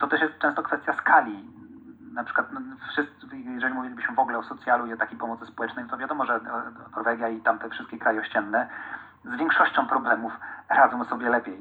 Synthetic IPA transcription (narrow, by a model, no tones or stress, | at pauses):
t̪ɔt̪ɛʂjɛst̪̚t͡ʂɛ̃st̪ɔkfɛst̪ʲjaskʰalʲi | napʂɘ̥kwat̪nʂɘst̪jɛʐɛlʲimuvʲilʲibɘɕmɘvɔɡulɛɔsɔt̪sjaluiɔt̪akʲejpɔmɔt̪sɘspɔwɛt͡ʂnɛjt̪ɔvjad̪ɔmɔʐɛnɔɾvɛɡʲjait̪amt̪ɛfʂɘst̪kʲekɾajɛɔɕt͡ɕɛnːɛ | zvʲjɛ̃ŋkʂɔɕt͡ɕɔ̃w̃pɾɔblɛmufɾazɔ̃w̃sɔbʲjɛlɛpʲjej